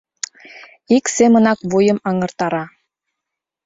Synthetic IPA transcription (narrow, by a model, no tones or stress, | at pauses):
iksemə̆nɑkβujə̆mɑŋɤ̆rt̪ɑɾɑ